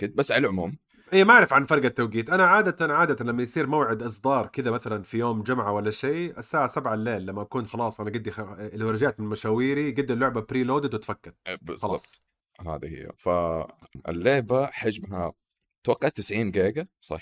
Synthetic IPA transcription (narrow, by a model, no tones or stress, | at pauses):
kɪd̪̚basːʕalalʕʊmuːm | ʔiːmaaʕɾˤɪfʕanfɑɾˤɡat̪ːawɡiːt̪ʔanaʕaːd̪at̪anʕaːd̪at̪anlamːajsˤiːɾmawʕɪd̪ʔɨsˤd̪ˤɑːɾˤkɪd̪amaθalanfijoːmd͡ʒʊmʕawalːaʃeːʔasːaːʕasabʕalːeːlːamːaʔakuːnxɑlɑːsˤʔanaɡɪd̪ːixlːiwɪɾˤɑd͡ʒaːʕt̪mɪnmaʃaːwiːɾiɡɪd̪ːilːʊʕbabɾiːloːd̪ɪd̪wɪt̪fakːad̪bɪzɑlɑːɑːbt̪ˤ | ha̰ːd̪ihɪ̰jːa̰faʔɪ̰lːeːbaħad͡ʒmɦa̰ | t̪wɑqːɑʕt̪ːɪsʕiːnɡeːɡasˤɑ̰ħ